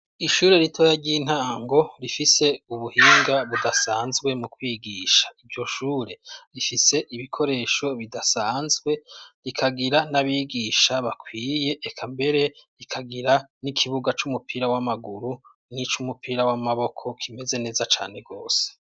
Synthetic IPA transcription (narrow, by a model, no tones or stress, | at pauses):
iʃuːɾe̞ɾitʰo̞jaɾɟiːn̥aːŋɡo̞ɾifise̞uβuhiːŋɡaβudasaːnzɡwe̞mukwiːɡiːʃḁivɟo̞ʃuːɾe̞ɾifise̞ʔiβikʰo̞ɾe̞ːʃo̞βidasaːnzɡwe̞ɾikʰaɡiɾanaβiːɡiʃaβakʰwiːje̞ʔːkʰambe̞ɾe̞ɾikʰaɡiɾanikʰiβuɡat͡ʃumupʰiːɾawamaɡuɾu | nit͡ʃumupʰiːɾawamaβo̞kʰo̞kʰime̞ze̞ne̞ːzat͡ʃa̰ːne̞ɡo̞ːse̥